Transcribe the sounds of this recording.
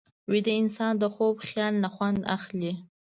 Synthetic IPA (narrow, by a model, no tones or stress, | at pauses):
wid̪əɪnsɑnd̪əxobxjɑlːaxwand̪a̰xli